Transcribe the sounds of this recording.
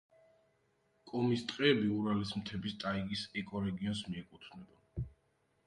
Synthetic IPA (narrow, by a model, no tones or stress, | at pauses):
kʼɔmist̪ʼqʼiɛbiuɾalism̩t̪ʰɛbist̪ʼaiɡisɛkʼɔɾɛɡiɔnsmiɛkʼut̪ʰnɛba